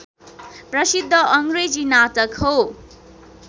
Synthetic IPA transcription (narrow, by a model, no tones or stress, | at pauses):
prʌsid̪ʱːʌʔʌŋred͡zinatʌkho